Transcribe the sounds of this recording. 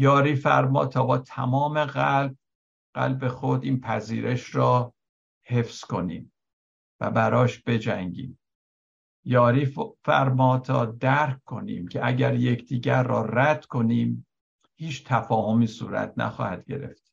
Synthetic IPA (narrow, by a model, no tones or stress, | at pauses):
jɒːɾiːfæɾmɒ̰ːt̪ʰɒːbɒːt̪ʰæ̰mɒːme̞ɣælb̚ | ɢ̥æ̰lbe̞xod̪iːnpʰæziːɾe̞ʃɾɒː | he̞fsko̞nḭːm | væ̰bæɾɒːʃb̥e̞d͡ʒæ̰ŋɟḭːm | jɒːɾiːfæ̰ɾmɒːt̪ʰɒ̰ːd̪æɾkkʰːo̞nḭːmcʰeʔæɟæɾje̞cʰd̪iːɟæɾːɒ̰ːræd̪̥kʰo̞niːm | hiːt͡ʃʰt̪ʰæfɒːho̞miːsṵːɾæ̰t̪̚ʰnæ̰xɒ̰ːhæd̪̥ɟe̞̰ɾe̞̰ft̪